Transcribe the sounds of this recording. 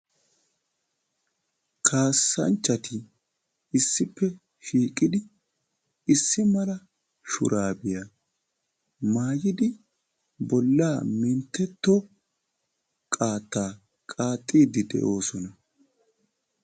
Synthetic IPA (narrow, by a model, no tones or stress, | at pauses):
kʰaːsːɐ̰nt͡ʃːɐt̪ɪ | ɪsːɪpːɛ | ʃiːkʼɪd̪ɪ | ɪsːɪmɐlɐ | ʃʊ̰ɾʔaːbɪja | maːjɪd̪ɪ | bɔlːaːmɪnt̪ːɛt̪ːo | kʼaːt̪ːaː | kʼaːt̪ʼːiːd̪ɪd̪ɛ̰ʔo̞ːsɔnɐ